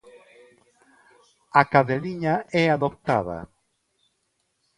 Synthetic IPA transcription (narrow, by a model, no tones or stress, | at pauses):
akaðeliɲaɛaðop̚t̪a̰ða̰